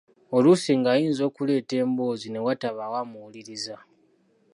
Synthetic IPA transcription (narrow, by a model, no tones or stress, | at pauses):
o̞lusiŋɡaːjiːnzo̞ːkule̞ːte̞ːmbo̞ːzine̞wataβawamuwuliɾiza